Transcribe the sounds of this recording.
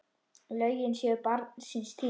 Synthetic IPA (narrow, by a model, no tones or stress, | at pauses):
lœɥjɪnsjœpaɾt̪nsɪnst̪ʰi